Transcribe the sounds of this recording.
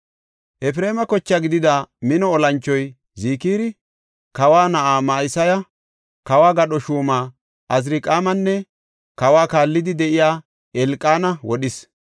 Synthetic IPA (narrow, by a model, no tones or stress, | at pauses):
ʔɛfɾe̞ːmɐkɔt͡ʃːaɡɪd̪ɪd̪ɐmɪnɔɔlɐnt͡ʃːɔj | ziːkiːɾɪ | kɐwaːnɐʔaːmaːjɪsɐjɐ | kɐwaːɡɐɗɔʃuːmaː | ʔɐz̬ɾikʼaːmɐnːɛ | kɐwaːkaːlːɪd̪ɪd̪ɛʔɪjaː | ʔɛlkʼːaːnɐwɔɗɪs